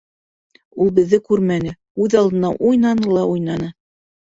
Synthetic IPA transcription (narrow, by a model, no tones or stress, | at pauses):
ulˠbɘ̆ðːɘkʉɾmænɘ | ʉðɑlˠd̪ɤ̆nːɑʔujnɑnɤlˠɑujnɑnɤ